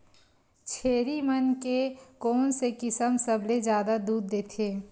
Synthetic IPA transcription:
t͡ʃʰeːɾimənkekɔːnsekɪsəmsəbled͡ʒjaːd̪ad̪uːd̪ːeːt̪ʰeː

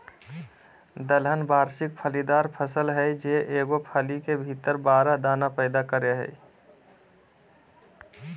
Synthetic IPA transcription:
d̪əlɦənbaːɾsɪk̚pʰəlid̪aːɾpʰəsəlɦɛjd͡ʒeʔeːɡopʰəlikebʱit̪əɾbaːɾad̪aːnapəɪd̪akəɾeɦɛ̰j

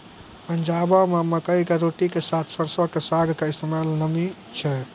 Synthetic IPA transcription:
pənd͡ʒabɔmeməkəikeɾoʈikesat̪ʰsəɾsɔkesaɡʱkeist̪ʰəmalnəmi | t͡ʃʰɛ

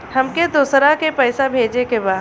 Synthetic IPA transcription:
hɐmked̪uːsɾakepɛːsabʱeːd͡ʒekebaː

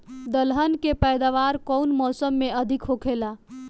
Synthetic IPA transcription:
d̪əlɦənkepəjd̪aʋaɾkɔwnmɔsəmːeəd̪ʱikɦokʰela

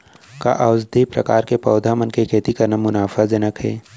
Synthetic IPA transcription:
ka̰ʔaʊzd̪ʱipɾɐ̰kaːɾkepɐːd̪ʱamənkekʰeːt̪ikɐɾnamʊnaːfazɐnəkɦɛ̰ː

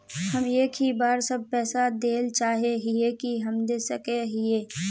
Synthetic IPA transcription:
həmeːkɦibaːɾsəb̚pɛːsad̪eːlt͡ʃaːɦeɦɪekiɦɐmd̪eːsəkeɦɪeː

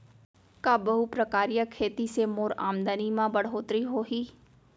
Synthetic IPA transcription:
kaːbəɦupɾəkaːɾijakʰeːt̪iːseːmoːɾaːmd̪aniːmãːbəɽɦoːt̪ɾiːɦoːɦiː

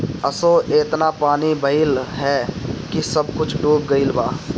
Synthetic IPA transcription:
əsoːʔeːt̪napaːnibəilɦɛːkisəb̚kʊt͡ʃʰɖuːb̚ɡəilbaː

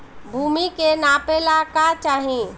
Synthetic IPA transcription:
bʱuːmikenapeːlakat͡ʃaːɦĩ

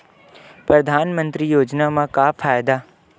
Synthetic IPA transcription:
pɾɐd̪ʱaːnmə̃nt̪ɾijoːd͡ʒnamãkaːfʰaːjɪd̪aː

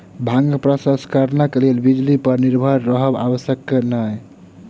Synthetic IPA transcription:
bʱãŋɡpɾasaskaɾnakelelbid͡ʒlipəɾniɾbʱəɾːəɦəba̰bəsjəkːenaj

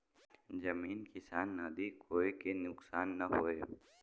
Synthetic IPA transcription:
d͡ʒɐmiːnkɪsaːnːaːd̪ikɦoːekenʊksaːnːɐɦoːeː

